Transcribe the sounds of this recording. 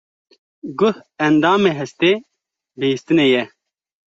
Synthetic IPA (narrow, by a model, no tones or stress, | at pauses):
ɡʊhɛnd̪aːmeɦɛst̪eː | beist̪ɨnejɛ